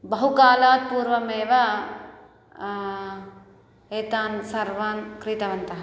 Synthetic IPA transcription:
bɐɦukaːlaːt̪̚puːɾʋɐmeːʋɐ | eːt̪aːnsɐɾʋaːnkɾiːt̪ɐʋɐnt̪ɐɦɐ

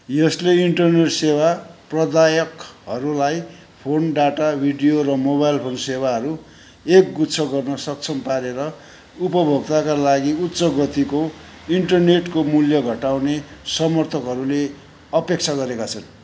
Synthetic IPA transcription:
jʌsleiɳʈʌrneʈsewaprʌd̪ajʌkɦʌɾulaj | pʰonɖaʈabʱiɖijoɾʌmobajlpʰonsewaɦʌɾu | ek̚ɡutt͡sʰʌɡʌrnʌsʌk̚t͡sʰʌmpaɾeɾʌ | upʌbʱʌbt̪akalaɡiut̪ːsʌɡʌt̪iko | iɳʈʌrneʈkomuljʌɡʱʌʈawnesʌmʌrt̪ʰʌkɦʌɾule | ʌpek̚t͡sʰaɡʌɾekat͡sʰʌn

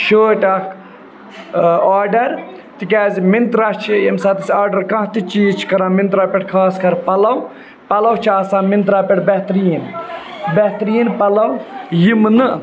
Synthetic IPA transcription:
ʃoːʈaːk | aːɾɖɐɾ | t̪ikaːzimint̪ɾat͡ʃʰijemsɐːt̪ɐsʲaːɾɖɐɾkɐ̃ɦt̪it͡ʃiːt͡ʃʰi̥kɐɾãːmint̪ɾaːpʲeʈkʰaːskɐɾpɐlɐw | pɐlɐwt͡ʃʰiɐːsãːmint̪ɾaːpʲɐʈbɛɦt̪ɾijin | bɛt̪ɾijinpɐlɐwjimnɨ

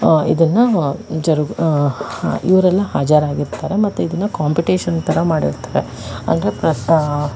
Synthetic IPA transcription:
ḭd̪ɐnːɐd͡ʒɐɾɡ | ḭʋɐɾɛlːɐhaːd͡ʒaːɾaːɡiɾt̪aːɾe̞mɐt̪ːuid̪ɐnːɐkaːmpiʈiːʃɐnt̪ɐɾɐmaːɽḭɾt̪aːɾeɐ̰nd̪ɾepɾɐ

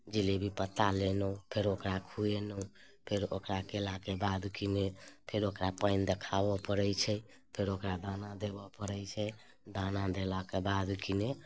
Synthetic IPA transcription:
d͡ʒilebʱipət̪alenə̃pʰeɾokɾakʰujenoũ | pʰeɾo̰kɾakelakebad̪kinepʰeɾokɾapəɪnd̪ekʰabɔpəɾəjt͡ʃʰə | pʰeɾokɾad̪anad̪ebɔpəɾəjt͡ʃʰɛ | d̪anad̪elakebad̪kine

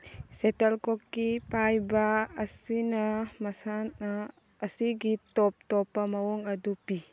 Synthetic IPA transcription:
setɐlkɔkːipajbaːsinɐmasanː | siɡitɔp̚tɔpːamawɔŋɐdupi

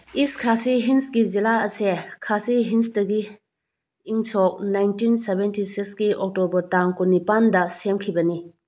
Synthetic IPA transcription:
iskʰasiɦinsɡizilaɐsekʰasiɦinsdɐɡiː | ŋsɔk̚najntinsebentisiksɡiɔk̚tobɐɾtaŋkunipandɐsemkʰibɐni

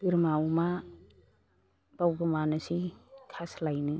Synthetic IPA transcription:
bɯɾmawma | b̥awbɯmanasikʰaslajnɯ

